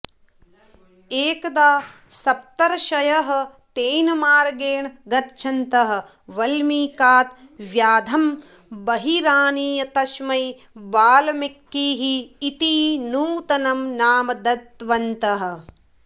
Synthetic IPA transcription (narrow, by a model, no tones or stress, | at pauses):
eːkɐd̪aːsɐp̚t̪ɐɾɐʃɐjɐɦɐ̆ | t̪eːjnɐmaːɾɡeːɳɡɐt̪t͡ʃʰɐnt̪ɐɦɐ̆ | ʋɐlmiːkaːt̪ | ʋjaːd̪ʱɐm | bɐɦiɾaːniːjɐt̪ɐʃmɐj | baːlɐmikːiːɦiːt̪iːnuːt̪ɐnɐmnaːmɐd̪ɐt̪ʋɐnt̪ɐɦɐ̆